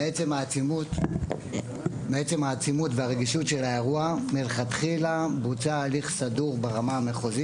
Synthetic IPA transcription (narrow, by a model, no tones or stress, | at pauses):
eet͡semaut | meet͡se̞mhaːt͡simutveaʁeɡiʃutʃe̞laeʁuamelχat̪χilabut͡saːliχsaduʁbeʁamaːme̞χozi